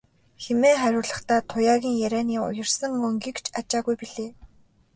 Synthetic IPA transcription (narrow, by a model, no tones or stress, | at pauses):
xemeːχæɾʲʊːɮə̆χt̪ʰæːt̪ʰʊjaːɣʲiːŋjæɾʲæːniːʊ̰jə̆rsə̆ŋɵŋɡikt͡ɕʰat͡ɕaːɣujpiɮeː